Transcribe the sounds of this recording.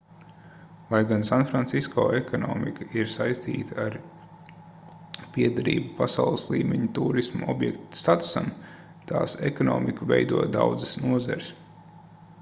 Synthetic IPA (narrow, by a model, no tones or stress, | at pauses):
lˠajɡansanfɾant̪siskɔ̰ːɛkɔnɔ̰ːmikaiɾsajst̪ḭːt̪aaɾ | piɛd̪aɾḭːbupasawlˠəslˠiːmʲeɲut̪uːɾismṵɔbjɛkt̪st̪at̪u̥sa̰m | t̪aːsɛkɔnɔ̰ːmikuvɛ̰jd̪uɔd̪awd̪zɨsnuɔza̰ɾɪs